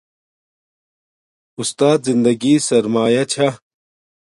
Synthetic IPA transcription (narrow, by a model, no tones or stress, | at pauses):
ʊst̪aːd̪zind̪ɐɡisɐɾmaːjɐt͡ɕʰa